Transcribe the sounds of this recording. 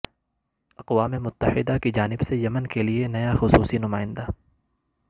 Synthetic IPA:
ɐqwaːmemʊt̪ːəhɪd̪akid͡ʒaːnɪbsejɐmənkelienɐjaxʊsuːsinʊmaːɪ̃nd̪aː

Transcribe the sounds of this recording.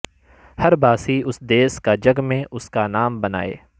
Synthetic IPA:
hɐɾbaːsiʊsd̪eːskad͡ʒɐɡmẽʔʊskanaːmbɐna̰ːḛː

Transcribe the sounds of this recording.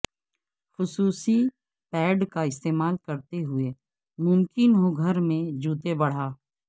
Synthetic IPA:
xʊsuːsi | pɛːɖkaɪst̪eːmaːlkəɾt̪eɦʊe | mʊmkɪnɦoɡʱəɾmẽd͡ʒuːt̪ebɐɽ̤aː

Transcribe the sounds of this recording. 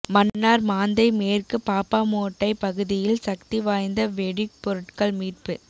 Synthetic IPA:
mɐnːaːɾmaːnd̪ɐɪmeːrkɯpaːpaːmoːʈːɐɪpɐɣɯðɪjɪlsɐkt̪iʋaːjnd̪ɐʋɛɽɪk̚pɔɾɯʈkɐɭmiːʈ̚pɯ

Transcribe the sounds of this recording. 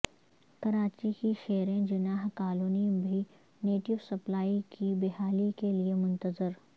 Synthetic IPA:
kɐɾaːt͡ʃikiʃɛːɾẽd͡ʒʊnaːɦkaːloːnimbʱi | neːʈɪʋsɐplaːikibɪɦaːlikeliemʊ̃nt̪əzɪɾ

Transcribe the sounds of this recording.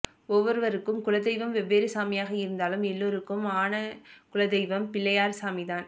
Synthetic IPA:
ɔʋːɔɾɯʋɐɾɯkːɯmkʊlɐd̪ɛɪʋɐmʋɛbeːɾɯsaːmɪjaːɣɐɪɾɯnd̪aːlɯmɛlːoːɾɯkːɯmaːnɐkʊlɐðɛɪʋɐmpɪlːɐjaːɾsaːmɪðaːn

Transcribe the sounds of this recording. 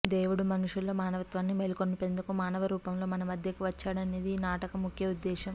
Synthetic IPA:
d̪eːʋuɽumɐnuʂulo̞ːmaːnɐʋɐt̪ʋaːnːimeːlkonːupe̞nd̪ukumaːnɐʋɐɾuːpɐmlo̞ːmɐnɐmɐd̪ʱjɐkiʋɐt͡ʃːaːɽɐneːd̪iːnaːʈɐkɐmukʰjɐud̪ːɛːʃɐm

